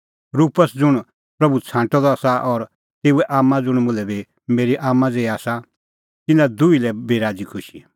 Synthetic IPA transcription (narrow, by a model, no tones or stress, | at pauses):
ɾuːpəsd͡zʊɽ̃ | pɾɐbut͡sʰãːɳʈɔd̪ɔaːsaʔɔɾ | t̪eːuɛʔaːmːãd͡zʊɽ̃mʊlɛbi | meːɾiʔaːmːãd͡zeːiaːsa | t̪ɪnãd̪uilɛbeːɾaːd͡zikʰʊʃi